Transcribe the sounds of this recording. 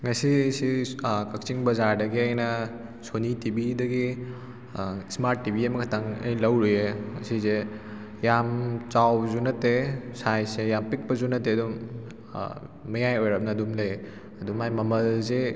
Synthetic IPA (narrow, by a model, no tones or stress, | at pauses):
ŋɐsisikɐk̚t͡ʃiŋbɐzaɾdɐɡiɐjnɐ | sonitibʱidɐɡi | smaɾtːibʱiɐmɐkʰɐtaŋɐ̰jlɐwɾujeŋɐsize | jamt͡ʃawzunɐtesajsejampik̚pɐzunɐteɐdum̰ | ɐjajojɾɐp̚nɐːdumlej | ɐdumajmɐmɐlze